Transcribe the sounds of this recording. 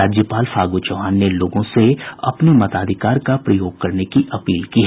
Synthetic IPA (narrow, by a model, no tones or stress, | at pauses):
aːd͡ʒjəpaːlfʰaːɡot͡ʃɐɦaːnːeloːɡõseɐ̰pnemɐt̪aːd̪ʱɪkaːɾkapɾɐjoːɡ̚kɐɾnekiʔɐpiːlkiɦɛ